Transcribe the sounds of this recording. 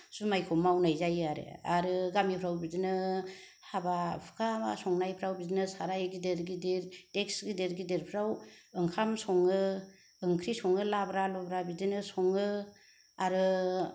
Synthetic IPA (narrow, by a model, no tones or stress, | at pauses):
sumajkʰɔmawnajzajaɾḛaɾɯɡamipʰɾawbidinɯ | habapʰɯ̥kʰama̰sɔŋnajpʰɾawbidinɯsaɾajɡideɾɡideɾteksɡideɾɡideɾpʰɾawɯŋkʰamsɔŋɯ | ɯŋkʰɾisɔŋɯlabɾalɔbɾabidinɯsɔŋɯ | aɾɯ